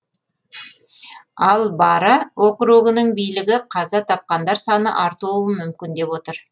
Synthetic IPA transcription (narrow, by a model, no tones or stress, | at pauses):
ɑlˠbɑɾəwoqəɾuʁɪnəɴbijlɪɡʲɪqʰɑzɑt̪ʰɑp̚qɑnd̪ɑɾsɑnə̰ʔɑɾt̪uwəmʏmkʲɪnd̪e̞bwo̞t̪əɾ